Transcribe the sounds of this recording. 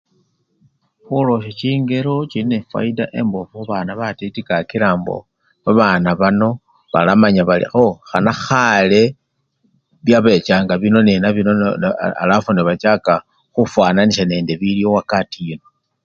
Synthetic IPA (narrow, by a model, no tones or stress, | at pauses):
xulo̞ʃet͡ʃiːŋɡe̞ɾo̞t͡ʃiinefwa̰ida̰ʔe̞̰mbofuβanaβatetikakiɾaːmbo̰ | βaβanaβano̞ | βa̰lamaɲaβalḭoxanaxale | βjaβe̞t͡ʃaːŋɡaβino̞nenaβinoa̰lafuneβat͡ʃaka | xufwananiʃane̞ːnde̞βiljowakatijino